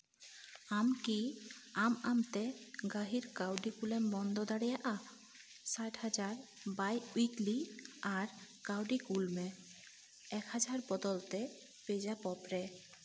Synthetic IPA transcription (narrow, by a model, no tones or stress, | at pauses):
amkiamamt̪eɡaɦiɾkawɖikulembɔnd̪ɔd̪aɽijaʔa | saʈhad͡ʑaɾ | bajuikliaɾkawɖikulme | ɛkhad͡ʑaɾbɔd̪ɔlt̪e | ped͡ʑapɔpɾe